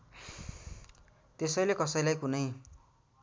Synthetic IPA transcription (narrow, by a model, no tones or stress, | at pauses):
t̪esʌjlekʌsʌjlajkunʌj